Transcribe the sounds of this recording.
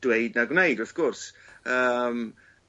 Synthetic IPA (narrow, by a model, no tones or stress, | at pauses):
d̥weɨdnaɡwnejdʊθɡ̥ɔrsəːm